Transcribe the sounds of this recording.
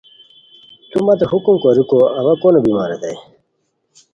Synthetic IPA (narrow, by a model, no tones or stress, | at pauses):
t̪umɐt̪eɦukumkoɾikoɐβɐkonobimaːɾed̪ɐj